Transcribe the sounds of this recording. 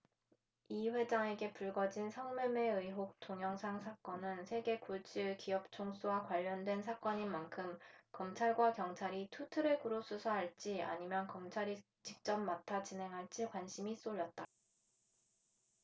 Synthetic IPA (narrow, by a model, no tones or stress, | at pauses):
iɸwe̞d͡ʑaŋe̞ɡe̞puɭɡʌd͡ʑinsʰʌŋmume̞ɯjɦok̚tʰoŋjʌŋsʰaŋsʰak͈ʌnɯnsʰe̞ɡe̞kuɭt͡ɕʰiɭkiʌp̚t͡ɕʰoŋs͈uwakwaʎːʌndwe̞nsʰak͈ʌɲinmankʰɯmkʌmt͡ɕʰaɭɡwakjʌŋt͡ɕʰaɾitʰutʰɯɾekuɾos͈usʰaɦaɭt͡ɕ͈ia̰ɲimjʌnkʌmt͡ɕʰaɾi | t͡ɕik̚t͡ɕ͈ʌmːatʰat͡ɕinɦe̞ŋɦaɭt͡ɕ͈ikwanɕʰimis͈oʎːʌt̚t͈a